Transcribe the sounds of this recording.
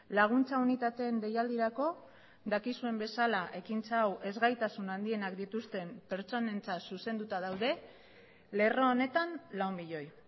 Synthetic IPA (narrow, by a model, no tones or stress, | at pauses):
laɣ̞unt͡saunit̪at̪e̞ːnd̪e̞jald̪iɾako̞ | d̪akisue̞mbe̞salaʔe̞kint͡saːwe̞zɣajt̪asunand̪ie̞nakd̪it̪ust̪e̞mpe̞ɾt͡so̞ne̞nt͡sasuse̞nd̪ut̪að̞awðe̞ | le̞ro̞ːne̞t̪anlawmbiʎo̞j